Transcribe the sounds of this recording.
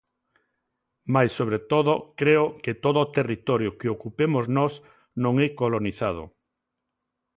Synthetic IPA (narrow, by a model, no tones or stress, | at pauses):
majsːoβ̞ɾet̪oðokɾeoket̪oðoːt̪erit̪ɔɾjokeokupemoznɔs | nõŋɛkoloniθað̞o̰